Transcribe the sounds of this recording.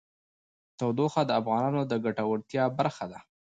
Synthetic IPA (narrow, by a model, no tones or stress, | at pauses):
t̪awd̪oxad̪əafɣɑnɑnod̪əɡaʈawaɽt̪jɑbaɾxad̪a